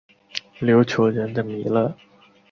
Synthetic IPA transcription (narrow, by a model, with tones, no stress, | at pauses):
ljo˧˥ʊt͡ɕʰjo˧˥ʊɻə˧˥nd̪ə˧˨mi˧˥lə˥˩